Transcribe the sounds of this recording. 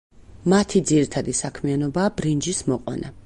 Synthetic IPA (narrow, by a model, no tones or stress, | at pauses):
mat̪ʰid̪ziɾit̪ʰad̪isakʰmianɔbaːbɾind͡ʒismɔqʼwa̰na